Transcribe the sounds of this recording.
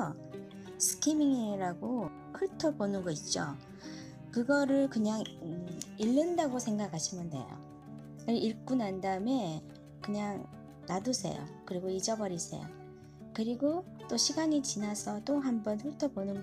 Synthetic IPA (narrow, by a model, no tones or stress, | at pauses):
sʰɯ̥kʰimiŋiɾaɡo | kʰɯɭtʰʌbonɯnɡʌit̚t͡ɕ͈o̰ | kɯɡʌɾɯɭkɯɲaŋ | iɭːɯndaɡosʰe̞ŋɡakʰaɕʰimjʌnde̞̰jo̰ | ɯʔiɭk͈unandaɯme̞ | kɯɲaŋ | nadusʰe̞̰jo̰kɯɾiɡoid͡ʑʌbʌɾisʰḛjo̰ | kɯɾiɡo | t͈oɕʰiɡaɲit͡ɕinasʰʌt͈oɦambʌnɸɯɭtʰʌbonɯn